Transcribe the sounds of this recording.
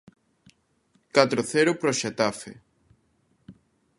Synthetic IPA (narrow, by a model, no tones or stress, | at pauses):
kat̪ɾoθɛɾʊpɾoʃet̪afḛ